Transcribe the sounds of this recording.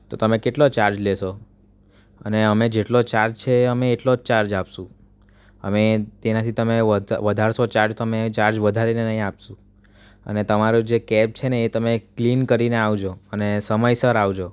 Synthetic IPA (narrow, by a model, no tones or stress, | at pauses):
t̪ot̪əmekeʈlot͡ʃaɾd͡ʒleʃo | ə̰neəmed͡ʒeʈlot͡ʃaɾd͡ʒt͡ʃʰeəmeːʈlot͡ʃaɾd͡ʒapʃũ | ə̰met̪enat̪ʰit̪əmeəʋəd̪ʱaɾʃot͡ʃaɾd͡ʒt̪əmet͡ʃaɾd͡ʒʋəd̪ʱaɾinenəɦĩapʃũ | ə̰net̪əmaɾod͡ʒekɛp̚t͡ʃʰeneːt̪əmeklinkəɾineaʋd͡ʒoənesəməjsəɾaʋd͡ʒo